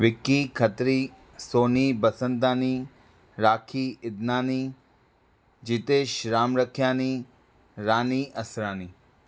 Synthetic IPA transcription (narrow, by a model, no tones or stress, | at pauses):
ʋɪkːikʰət̪ɾiː | soːnibəsənt̪̬aːni | ɾaːkʰiɪd̪naːni | d͡ʒit̪eːʃɾaːmɾəkʰjaːni | ɾaːniʔɐsɾaːni